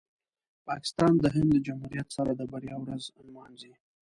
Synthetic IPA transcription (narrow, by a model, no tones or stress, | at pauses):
pɑkɪ̥st̪ɑnd̪əɦɪnd̪əd͡ʒamhuɾijat̪saɾad̪əbaɾjɑwɾaznmɑnzi